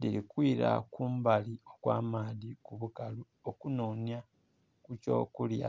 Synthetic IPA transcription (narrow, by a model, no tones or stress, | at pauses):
dilikwiːɾa̰kuːmbaliokwa̰ːmaːðikuβukalu | okunoːnja | kuco̞̰ːkulja̰